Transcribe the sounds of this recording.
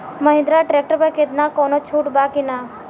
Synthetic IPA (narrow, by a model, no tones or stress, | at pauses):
məɦɪ̃nd̪ɾaʈɾek̚ʈəɾpəket̪nakoːnot͡ʃʰuːʈbakina